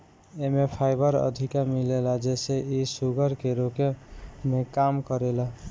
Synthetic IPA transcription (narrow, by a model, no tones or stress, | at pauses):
emepʰajbəɾə̰d̪ʱikamilelad͡ʒeseisuɡəɾkeɾokemekamkəɾela